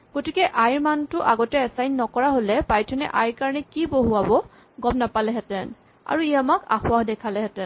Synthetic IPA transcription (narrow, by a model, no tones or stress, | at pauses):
ɡ̥otikɛʔajɹmantʊʔaɡɔtɛːsajnːɔkɔɹaɦolɛpajtʰɔnɛ̰ʔa̰jɹkaɹɔnɛkiboɦuabɔ | ɡɔmnapalɛɦɛtɛn | a̰ɹuiamaka̰xʊaxdɛkʰalɛɦɛtɛn